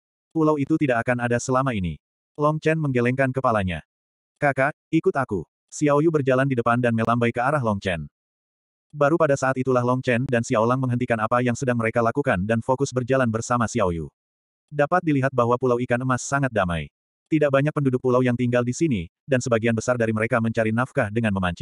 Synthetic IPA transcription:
pulawit̪ut̪idaʔakanadasəlamainḭ | lɔŋt͡ʃɛnməŋɡelɛŋkankəpalaɲa̰ | kaka | ikʊt̪aku | siawjubərd͡ʒalandidəpandanmelambajkəaɾaɦlɔŋt͡ʃɛn | baɾupadasaːt̪it̪ulahlɔŋt͡ʃɛndansiaolaŋməŋɦənt̪ikanapajaŋsədaŋməɾekalakukandanfokʊsbərd͡ʒalanbərsamasiawjṵ | dapat̪̚diliɦat̪̚baɦwapulawikanəmasːaŋat̪̚dama̰j | t̪idaʔ̚baɲak̚pəndudʊk̚pulawjaŋt̪iŋɡaldisini | dansəbaɡianbəsardaɾiməɾekaməɲt͡ʃaɾinafkadəŋanməmaɲt͡ʃi

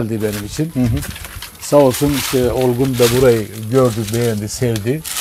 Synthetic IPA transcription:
lʲd̪ibenimit͡ʃʰinɦ | saolˠsuniʃt̪ʰɛolˠɡund̪abuɾajɟøɾd̪yk̚bejænd̪isɛvd̪i

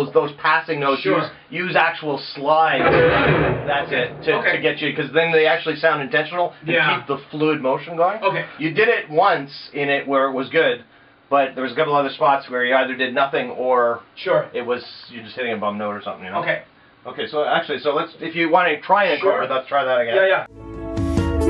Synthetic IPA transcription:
zðoʊz̥pʰæsɪ̃ŋnoʊʃɨz | jʉzæk̚t͡ʃuwl̩ˠslaɪ | ðætsɪtʰɨɨɡɛt͡ʃɨkʰʌzðɨ̃nðeɪæk̚t͡ʃʉl̩ˠisãʊ̃ndɨ̃ntɛ̃nʃn̩l̩ˠkʰip̚ðəflud̚moʊʃɨ̃n̩ɡoʊɪ̃ŋoʊkejɨdɪɾɪt̚wʌ̃nsɪ̃nɪʔ̚wə˞ɨt̚wʌzɡʊd̚ | b̥ʌt̪̚ðə˞wʌzəkʌpl̩ˠʌðə˞spɑtswə˞jɨaɪðə˞dɨdⁿnʌθɪ̃ŋə˞ʃʊɹɪt̚wʌz̥jɨd͡ʒʌst̚hɪɾɪ̃ŋɨbʌ̃mnoʊɾə˞sʌ̃mθɪ̃ŋjɨ̃noʊkʰeɪ | oʊkʰeɪsoʊæk̚t͡ʃʉl̩ˠisoʊlətsɨfjɨwɑ̃ñtʰɹ̥aɪɨ̃ɨʃɔɨtlətstʰɹ̥aɪðɨɾɨɡɛ̃jæjæ

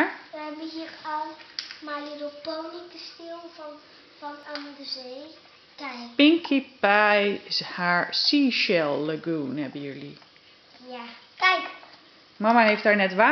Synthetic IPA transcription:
ɹʋəɦɛbəhirɔlˠmalidopoːnikəstɪlˠfɔ | fɔnanədəzeː | kɛjkpɪŋkʰipajɪshaɹsiʃɛlˠːaɡuːnhɛbəjøli | ja | kɛjk | mɔmaheft̚aɹnɛtʋa

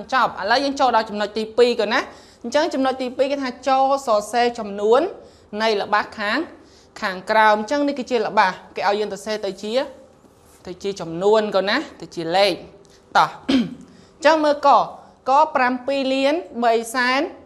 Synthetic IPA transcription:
ɲt͡ɕɑp̚ʔələwjəːŋt͡ɕoːlɗɑlt͡ɕɑmnoc̚t̪iːpiːkoːnah | ɲt͡ɕəŋt͡ɕɑmnoc̚t̪iːpiːkeːt̪ʰaːt͡ɕoːsɑːseːt͡ɕɑmnuənː | ɨjlə̆ɓakʰaːŋ | kʰaːŋkraɔmɲt͡ɕəŋnihkɨːt͡ɕiələ̆ɓahkeːʔaɔjəːŋsɑseːt̪ɨwt͡ɕiə | t̪ɨwt͡ɕiət͡ɕɑmnuənkoːnaht̪ɨwt͡ɕiəleːk̚ | t̪ɑh | ɲt͡ɕəŋməːlkɑː | kɑːprampiːliənɓəjsaɛn

